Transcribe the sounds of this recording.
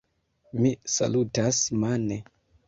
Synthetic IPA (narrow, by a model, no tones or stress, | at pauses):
misa̰lutasmane